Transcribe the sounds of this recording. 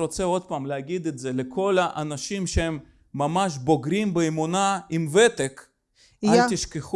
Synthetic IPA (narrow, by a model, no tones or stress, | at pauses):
ɾot͡seo̞d̪̚paːmleaɡid̪et̪zelekʰo̞laʔanaʃimʃeemː | amaʃ̬boɡɾimbeemunaimvet̪ek | at̪iʃkeχ